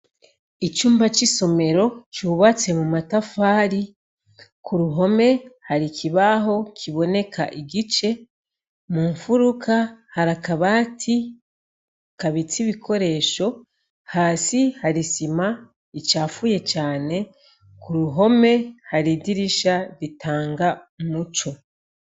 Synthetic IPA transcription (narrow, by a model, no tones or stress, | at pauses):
it͡ʃuːmbat͡ʃiso̞me̞ɾo̞t͡ʃuβat͡se̞mumatafaːɾi | kʰuɾuɦo̞me̞haɾikʰiβaɦo̞kʰiβo̞ne̞kʰa̰ʔiɡit͡ʃe̞ | muːɱfuɾukʰahaɾakaβaːtʰi | kaβit͡siβikʰo̞ɾe̞ːʃo̞ | haːsihaɾisima | it͡ʃaːfuje̞t͡ʃaːne̞ | kuɾuɦo̞me̞haɾidiɾiʃaɾitʰaːŋɡa | mut͡ʃo̞